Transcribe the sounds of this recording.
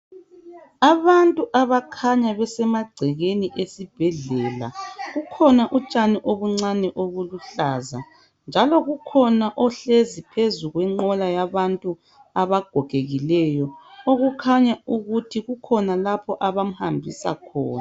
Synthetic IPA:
aβantʼuʔaβakʰaɲaβɛsɛmaɡ͡ǀʱɛɣeniʔesib̥ʱɛɮɛla̰ɣukʰɔnaʔut͡ʃʼanɛʔoβuŋ͡ǀanɛʔoɣuluɬaːza | nd͡ʒʱalɔɣukʰɔnaʔɔɬezipʰezuɣwɛŋ͡ǃɔlajaβantʼu | aβaɡ̥ʱɔɡ̥ʱeɣilɛjɔoɣukʰaɲauɣutʰiɣukʰɔnalapʰɔʔaβam̩hambʱisa̰kʰɔ̰ːnaa

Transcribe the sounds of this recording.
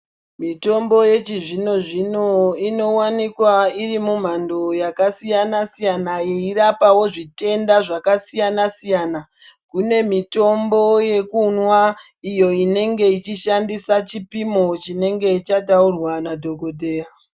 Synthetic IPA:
mito̞mbo̞je̞t͡ʃiʐino̞ʐinoino̞wanikwairimum̤ando̞jakasijanasijanajeiɾapawo̞ʐite̞ndaʐakasijanasijana | kune̞mito̞mbo̞je̞kunwa | ijo̞ine̞ŋɡe̞it͡ʃiʃandisat͡ʃipimo̞t͡ʃine̞ŋɡe̞it͡ʃataurwanadʱo̞ɡʱodʱeːja

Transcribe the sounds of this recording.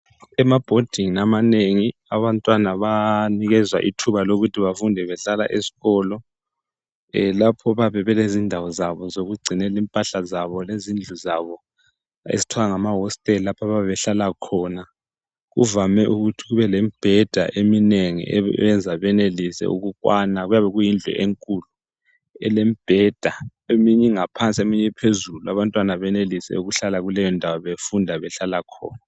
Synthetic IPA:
ɛmab̥ʱod̥ʱiŋinamaneŋiaβantʼwanaβaniɣɛzwa̰ʔitʰuβaloɣutʰiβafundʱɛβɛɬala̰ʔesi̥ɣɔːlɔ | ɛlapʰɔβaβɛβɛlezindʱawɔzaβɔzoɣuɡ͡ǀʱinɛlimpʼaɬazaβɔlezind͡ɮʱuzaβɔ | ḛzi̥tʰwaaŋamaɦɔstʼɛllapʰaβaβɛβɛɬalakʰɔna | ɣṵvamɛʔuɣutʰiɣuβɛlemib̥ʱɛd̥ʱa̰ʔemineŋḭʔɛɛnd͡zʱaβɛnelisɛ̰ʔṵɣukwanaɣujaβɛɣujind͡ɮʱɔ̰ʔeŋkʼulu | ɛ̰lemib̥ʱɛd̥ʱaemiɲɛŋapʰant͡sʼiemiɲɛpʰezuluaβantʼwanaβɛnelisɛ̰uɣuɬalaɣulɛjɔndʱawaβefundʱaβɛɬalakʰɔ̰ːna

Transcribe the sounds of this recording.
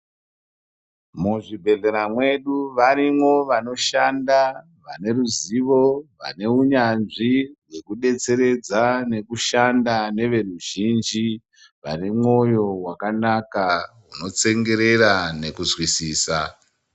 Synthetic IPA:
muʐibʱe̞ɮe̞ɾamwe̞ɗuʋaɾimwo̞ʋano̞ʃanda | ʋane̞ɾuziʋo̞ʋa̰ne̞uɲanʐiwe̞kuɗe̞t͡se̞ɾe̞d͡zane̞kuʃandane̞ʋe̞ruʒind͡ʒi | ʋane̞mŋo̞jo̞wakanaka | uno̞t͡se̞ŋɡe̞ɾe̞ɾane̞kuzwisiːsa

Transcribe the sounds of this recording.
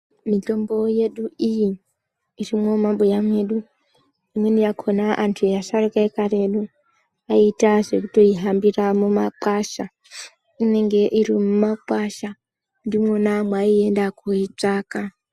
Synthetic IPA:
mito̞mbo̞je̞ɗuiji | irimo̞mambojamwe̞ɗu | imwe̞nijakʰo̞naʔantʰujasarekaekaɾe̞ɗu | aitaʐe̞kuto̞iɦambiramumaǃaʃa | ine̞ŋɡe̞ʔiɾimumaǃaʃa | ndimwonamwaie̞ndakuit͡saːka

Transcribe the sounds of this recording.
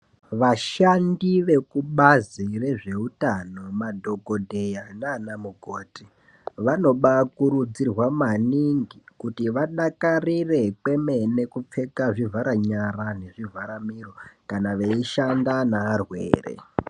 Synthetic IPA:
ʋaʃandiʋe̞kuɓazire̞ʐe̞utano̞madʱo̞ɡʱo̞dʱe̞janaːnamuɡʱoːti | ʋano̞ɓakuɾud͡zirwamaniŋɡikutiʋaɗakarire̞kwe̞me̞ne̞kup͡fe̞kaʐivaɾaɲaɾane̞ʐivaɾamiro̞kanaʋeiʃandanaːrwḛːrḛ

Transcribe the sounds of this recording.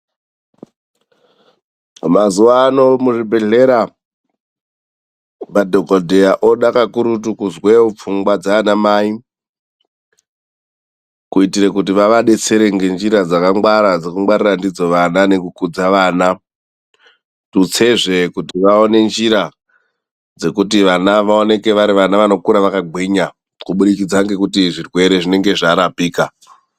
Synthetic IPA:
mazuʋaːno̞muʐibʱe̞ɮe̞ɾa | padʱokodʱejaʔoɗakakuɾutukuzweup͡fuŋɡwad͡zaːnamai | kuitiɾekut̬iʋaʋaɗe̞t͡se̞ɾe̞ŋɡe̞nd͡ʒiɾad͡zakaŋɡwaɾad͡zekuŋwaɾirandid͡zo̞ʋanane̞kukud͡zaʋaːna | tut͡se̞ʐe̞kutiʋaone̞nd͡ʒiɾa | d͡ze̞kut̬iʋanaʋaone̞ke̞ʋaɾiʋanaʋano̞kuɾaʋakaɡʱwiɲa | kuɓuɗikid͡zaŋɡe̞kutiʐirwe̞ɾe̞ʐine̞ŋɡe̞ʐaɾapiːka

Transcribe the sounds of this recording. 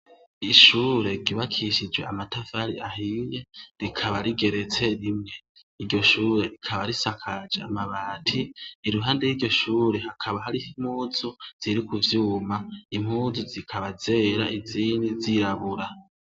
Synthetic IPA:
iʃuːɾe̞ɟiβakʰiʃid͡ʒwe̞̰amatavaɾiʔaɦiːje̞ɾikʰaβaɾiɡe̞ɾe̞t͡se̞ɾimŋe̞ | iɾɟo̞ʃuːɾe̞ɾikʰaβaɾisakʰad͡ʒeamaβaːtʰiːɾuɦaːndejiɾɟo̞ʃuːɾe̞hakʰaβaɦaɾiim̥huːz̥uz̥iɾikuvjuːmaim̥huːzuzikʰaβaze̞ːɾaʔiziːndiziɾaβuɾa

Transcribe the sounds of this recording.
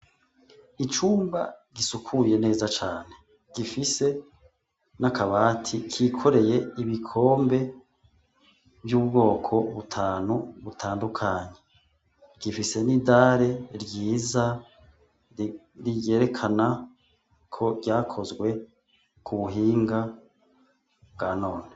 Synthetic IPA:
it͡ʃuːmba̰ɡisukʰuje̞ne̞ːzat͡ʃaːne̞ | ɡ̥ifise̞ | nakaβaːtʰikʰikʰo̞ɾe̞je̞iβikʰo̞ːmbe̞ | vjuːbɡo̞ːkʰo̞βutʰaːnuβutʰaːndukʰaːɲe̞ | ɡ̥ifise̞nidaːɾe̞ɾɟiːza | ɾije̞ːɾe̞kʰana | kʰo̞ɟaːkʰo̞zɡwe̞ | kʰuβuɦiːŋɡa | bɡaːno̞ːne

